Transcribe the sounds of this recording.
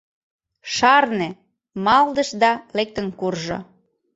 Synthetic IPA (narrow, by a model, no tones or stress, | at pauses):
ʃɑrne | mɑld̪ə̆ʃd̪ɑlek̚t̪ə̆nkurʒo̰